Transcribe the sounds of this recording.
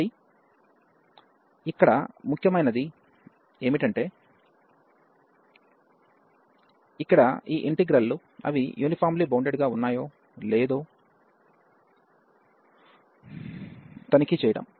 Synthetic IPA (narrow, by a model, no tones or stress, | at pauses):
i | ikːɐɽɐ̰mukʰjɐmɐjnɐd̪i | e̞ːmiʈɐɳʈe̞ː | ikːɐɽɐiːʔeɳʈiɡɾɐlːu | ɐ̰ʋḭjuːnipʰaːɾmlibɐwɳɖeɖɡaːunːaːjo̞ː | leːd̪o̞ː | t̪ɐnikit͡ʃɛːjɐɽɐ̰m